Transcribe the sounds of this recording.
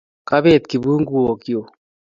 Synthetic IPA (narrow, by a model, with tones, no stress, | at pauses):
ka˦be˦˨t̪̚ki˨bu˦ŋɡu˦o˨ki˦o˨